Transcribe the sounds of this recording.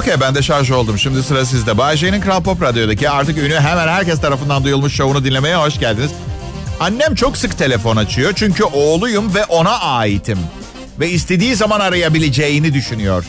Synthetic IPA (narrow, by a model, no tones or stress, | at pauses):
ocʰejbænd̪ɛʃaɾʒɯo̞lˠd̪umʃimd̪isɯɾas̬izd̪ɛbaʒ̬ejininkɾalˠpo̞pɾad̪jod̪aciaɾt̪ʰɯkynyɦemænɦæɾcɛst̪ʰaɾafɯnd̪and̪ujulˠmuʃt͡ʃounud̪inlʲe̞me̞jɛbaʃɟælʲd̪iniz | anːæmt͡ʃʰo̞ksɯkt̪ʰe̞lʲe̞fo̞nat͡ʃʰɯjo̞t͡ʃʰyɲcʰyʔo̞ːlˠujumvɛʔo̞naʔaːjit̪ʰim | vɛist̪ʰe̞d̪iːzamanaɾajabilʲed͡ʒejinid̪yʃynyjo̞̰ɾ̥